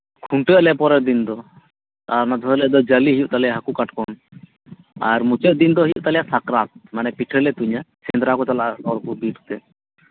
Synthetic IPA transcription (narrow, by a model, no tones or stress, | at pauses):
kʰuɳʈəʔlɛpɔɾɛɾd̪ind̪ɔ | t̪aɾnad̪ʱɔɦlɛd̪ɔd͡ʒaliɦijuʔt̪alɛjaɦakukaʈkɔn | a̰ɾmut͡ʃəʔd̪ind̪ɔɦijuʔt̪alɛjasakɾat̪̚manɛpiʈʰəlɛt̪uɲasɛnd̪ɾakɔt͡ʃalaʔɔɾkubiʈʰt̪ɛ